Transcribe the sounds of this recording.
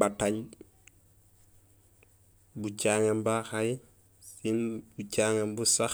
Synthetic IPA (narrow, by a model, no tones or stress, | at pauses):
bataɲ | but͡ʃaːŋembaxaj | sinbucaːŋembusax